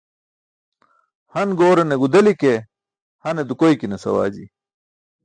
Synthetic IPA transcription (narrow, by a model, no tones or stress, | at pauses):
hɐnɡoːɾeneɡud̪ɐlike | hɐned̪ukoikinesɐwaːd͡ʑi